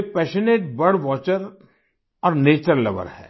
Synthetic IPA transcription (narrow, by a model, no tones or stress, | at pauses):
epɛːʃəneːʈ̚bɐɽʋɔːt͡ʃəɾ | ɔːɾneːt͡ʃəɾlɐ̰ʋə̰ɾhɛ̰ː